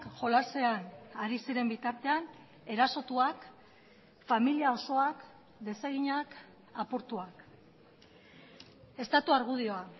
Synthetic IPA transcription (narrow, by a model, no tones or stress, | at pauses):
kʝo̞lase̞anaɾisiɾe̞mbit̪aɾt̪e̞an | e̞ɾaso̞t̪uak | familiao̞so̞ak | d̪e̞seɣiɲak | apuɾt̪uak | e̞st̪at̪uaɾɣ̞uð̞io̞a